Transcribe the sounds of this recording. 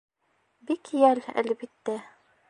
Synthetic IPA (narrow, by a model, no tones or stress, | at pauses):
bikjælæ̰lbit̪ːæ